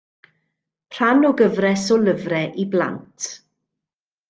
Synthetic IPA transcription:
pʰr̥anɔɡəvrɛsɔləvrɛʔibla̰ntʰ

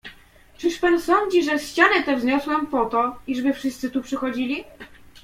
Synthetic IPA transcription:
t͡ʂɘʂpansɔɲd͡ʑiʐɛɕt͡ɕanɘt̪ɛvzɲɔswɛmpɔt̪ɔiʐbɘfʂɘst̪sɘt̪upʂɘxɔd͡ʑilʲi

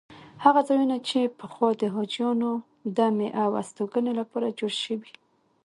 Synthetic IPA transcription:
haɣazɑjunat͡ʃepəxwɑd̪əɦɑd͡ʒjɑno | d̪ameʔawa̰st̪oɡənelapɑɾad͡ʒoɽʃəwi

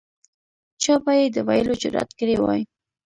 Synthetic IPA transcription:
t͡ʃɑbajed̪əwajəlod͡ʒʊɾɑ̰t̪kəɽewɑ̰j

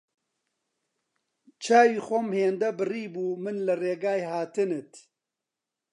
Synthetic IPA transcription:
t͡ʃʰaːwiːxʷomheːnd̪ɐbɨriːbuːmɨnlɨreːɡaːjhaːt̪ɨnɨt̪

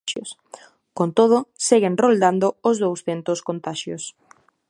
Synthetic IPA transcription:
o̰s | kont̪oð̞ʊseɣɪnrold̪and̪ʊʊzðowsθent̪ʊskont̪aʃjos

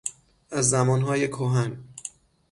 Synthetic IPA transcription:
ʔæzːæmɒːnɦɒːjekʰoɦæn

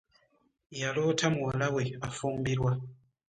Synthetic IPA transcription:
jalotʰamuwalaweafumbiɾwa

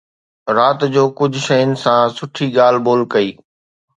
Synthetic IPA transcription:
ɾaːt̪d͡ʑoːkʊd͡ʑʱʃɐjʊnɪ̆sãsʊʈʰiɠaːl̤boːlkɐiː

